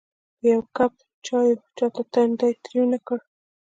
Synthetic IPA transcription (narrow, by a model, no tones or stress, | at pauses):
jawkap̚ | t͡ʃɑjot͡ʃɑt̪at̪and̪ajt̪ɾunakəɽ